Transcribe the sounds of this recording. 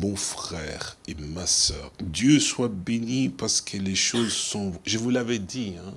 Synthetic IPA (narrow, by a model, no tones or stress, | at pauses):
mɔ̃fχɛːʁemasœːʁd̪jøswabenipaʁsə̥kʰəleʃozsɔ̃ʒəvulavɛd̪iɛ̃